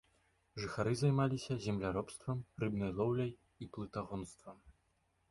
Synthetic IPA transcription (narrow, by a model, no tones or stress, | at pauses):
ʐɨxaɾɨzajmalʲisʲɐzʲɛmlʲaɾɔpst̪vɐmrɨbnɐjlˠɔwlʲɐj | iplˠɨt̪aɣɔnst̪vɐm